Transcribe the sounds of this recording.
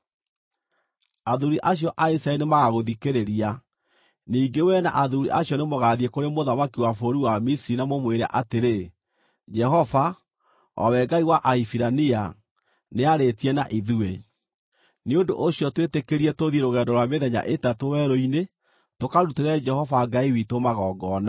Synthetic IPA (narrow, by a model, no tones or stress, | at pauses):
aðuɾiʔaɕ̬jɔʔaisɾaɛnemaɣaɣoðikeɾeɾia | niːŋɡewɛna̰ʔaðuɾḭʔaɕjɔnemoɣaðiekoɾemoðamakiwafoɾiwamisiɾinamomweɾa̰ʔateɾe | d͡ʒɛhɔva | ɔ̰wɛɡaiwaʔaifiɾania | neaɾetiɛnaʔiðue | neondo̰ʔoɕjɔtwetekeɾiɛtoðieɾoɣɛdɔɾwameðɛɲa̰ʔetatowɛɾoine | tokaɾuteɾɛd͡ʒɛhɔvaɡaiwitomaɣɔɡɔːna